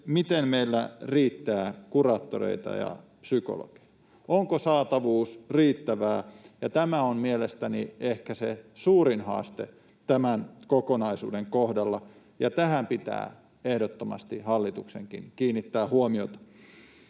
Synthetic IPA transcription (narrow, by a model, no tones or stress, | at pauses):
mit̪emmeilːæriːt̪ːæːkurɑːt̪ːorḛit̪ɑ̰jɑ̰psyko̰lo̰ke̥jɑ̥ | ʔoŋkosɑːt̪ɑʋuːsriːt̪ːæʋæːjɑt̪æmæommielest̪æniehkæsesuːrinhɑ̰ːst̪ḛ | t̪æmænkokonɑisṵːdeŋkohdɑlːɑ | jɑt̪æhæmpit̪æ̰ː | ehdot̪ːomɑ̰st̪ihɑlːit̪uksḛŋkḭŋkiːnːit̪ːæːhuomiot̪ɑ̥